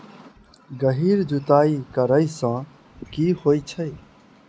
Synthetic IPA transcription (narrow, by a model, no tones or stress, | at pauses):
ɡəɦiːɾd͡ʒut̪aːikəɾəisã | kiːhoːit͡ʃʰəj